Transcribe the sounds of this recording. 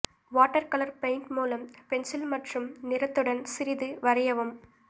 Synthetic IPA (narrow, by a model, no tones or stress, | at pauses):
ʋaːʈːɐɾkɐlɐɾpɐɪnʈmuːlɐmpɛnsɪlmɐʈrɯmnɪɾɐt̪ːɯɽɐnsɪɾɪðɯʋɐɾɐjɐʋɯm